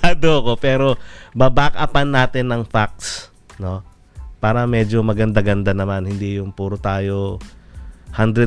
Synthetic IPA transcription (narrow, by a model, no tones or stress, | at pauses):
ad̪oɐko̞pɛːɾo̞babaːkɐʔɐpɐnːaːt̪ɪnːɐŋfak̚s | no̞ | paːɾɐmɛːd͡ʒomɐɡɐnd̪aɡɐnd̪anɐmanhɪnd̪ijʊŋpuːɾot̪aːjo̞ | hand̪ɾɛ